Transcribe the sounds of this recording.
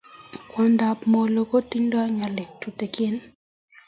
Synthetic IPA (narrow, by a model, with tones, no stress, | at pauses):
kwɔ˨nda˨pmo˨lo˨ko˦ti˦ɲdɔ˦a˦ŋa˨le˨tu˨te˨kɪ˦n